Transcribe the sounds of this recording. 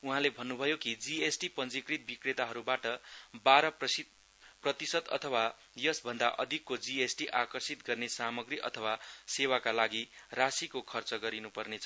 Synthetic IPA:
uɦãlebʱʌnːubʱʌjokid͡ziesʈipʌnd͡zikrit̪̚bikret̪aɦʌɾubaʈʌbaɾʌpʌsi | prʌt̪isʌd̪ʌ̰t̪ʰʌwa | jʌsbʱʌnd̪aʔʌd̪ʱikːod͡ziesʈiʔakʌrsit̪ɡʌrnesamʌɡriʔʌ̰t̪ʰʌwasewakalaɡirasikokʰʌrt͡sʌɡʌɾinupʌrnet͡sʰʌ

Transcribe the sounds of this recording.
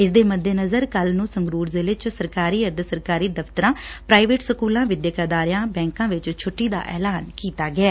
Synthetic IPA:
ɪsd̪eːməd̪eːnəzəɾkəlnũːsəŋɡɾuːɾzɪlɪt͡ʃsəɾkaːɾiːəɾd̪əsəɾkaːɾiːd̪əft̪əɾãːpɾaːiʋeːʈsəkuːlãːʋɪd̪jəkəd̪aːɾjãːbɛ̃ːŋkãːʋɪt͡ʃt͡ʃʰʊʈːiːd̪a̰ːʔɛ̰ːlaːnkiːt̪aːɡɪɛː

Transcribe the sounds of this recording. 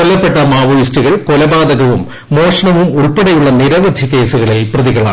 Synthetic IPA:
olːɐpːe̞ʈːɐmaːʋɐjisʈuɣɐɭkolɐbaːd̪ɐɣɐʋumː | o̞ːʂɐɳɐʋumuɭpeɽɐjuɭːɐniɾɐʋɐd̪ʱike̞ːsuɣɐɭeːprɐðiɣɐɭa̰ː

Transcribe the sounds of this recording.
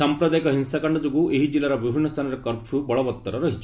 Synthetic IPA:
ampɾɐd̪ajkɐɦinsakɐɳɖɐd͡ʒoɡuʔeɦid͡ʒilːaɾɐʋibʱiɳːɐst̪ʰanɐɾekɐɾt͡ʃʰubɔɭɔʋɐt̪ːɐɾɐɾɐɦit͡ʃi

